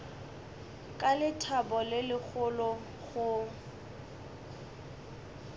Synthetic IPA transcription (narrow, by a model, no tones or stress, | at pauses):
kʼalɪtʰabɔlɪlɪk͡xʰʊlɔ | ɣʊ